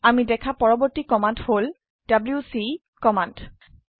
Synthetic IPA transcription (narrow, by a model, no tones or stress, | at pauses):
amidɛkʰapɔɹɔbɔɹtikɔmandhol | d̥ablusi | kɔmand